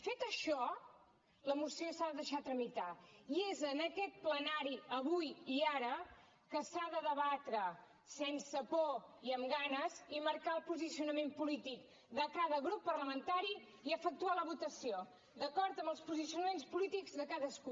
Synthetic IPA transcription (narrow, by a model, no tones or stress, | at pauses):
fet̪əʃɔ | ləmusiosaðəðəʃat̪ɾəmit̪aiezənəkɛt̪̚plənaɾiəβujiaɾə | kəsaðəðəβat̪ɾə | sensəpoiəmɡanəziməɾkalˠpuzisiunəmempulit̪ik | d̪əkaðəɣɾupːərləmənt̪aɾi | iəfək̚t̪ualəβut̪əsio | d̪əkɔɾt̪əmbəlˠspuzisiunəmenspulit̪iɡzðəkaðəsku